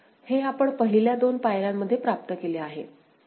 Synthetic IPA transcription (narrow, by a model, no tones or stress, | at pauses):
heapəɳpəɦliljad̪onpajɾamːəd̪ʱjepɾap̚t̪əkeleaɦḛ